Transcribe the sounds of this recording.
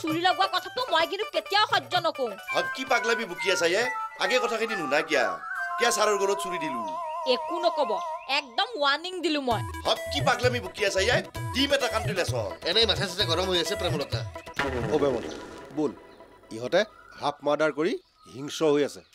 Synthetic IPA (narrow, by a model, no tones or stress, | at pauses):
suɹilɔɡuwakɔtʰatʊmɔjk̬intuketijawxɔzɔnɔkoũhɔb̚kipaɡlamibʱukʰias̬ajajaɡɛkɔtʰakʰininunajkija̰kijasaɾɔɹɡɔɾɔtsuɹidilũekunɔkɔbɔɛk̚dɔmwaniŋdilʊ̃mɔjhɔb̚kipaɡlamibʱukiasajajdimɛtakantʊlɛsɔ̰ɛnɛjmatʰas̬atɛɡɔɾɔmɦojasɛpɹɛmɔlɔta̰obɛmɔ̰na̰bol | iɦɔtɛ | ɦap̚ʰmadaɹkoɹi | ɦiŋsɔɦojasɛ̰